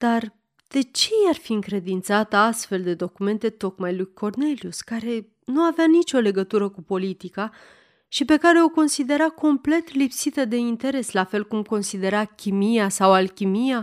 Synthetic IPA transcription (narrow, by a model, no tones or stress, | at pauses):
d̪̥ar | d̪̥e̞t͡ʃe̞jarfiɨŋkɾe̞d̪int̪sat̪əast̪fe̞ld̪e̞d̪o̞kume̞nt̪e̞t̪o̞kmajlujkʰo̞rne̞liuskaɾe̞ | nuaveanit͡ʃʲo̞le̞ɡət̪uɾəkupo̞lit̪ika | ʃipe̞kaɾe̞o̞ko̞nsid̪e̞ɾako̞mple̞t̪lipsit̪əd̪e̞int̪e̞ɾe̞slafe̞lkumko̞nsid̪e̞ɾakʲimijasawalkʲimija